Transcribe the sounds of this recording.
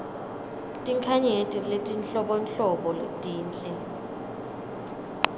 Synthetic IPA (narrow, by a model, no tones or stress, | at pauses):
tʼiŋkʰaɲetʼiletʼinɬɔɓɔnɬɔɓɔtʼiːnt͡ɬʼɛ